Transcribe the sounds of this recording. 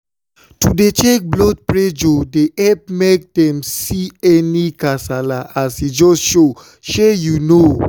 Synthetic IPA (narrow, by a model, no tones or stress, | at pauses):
tudet͡ʃek̚blɔd̚pɹed͡ʒodeʔɛp̚mek̚dɛ̃msiɛnikasalaʔasid͡ʒɔsʃo | ʃɛjuno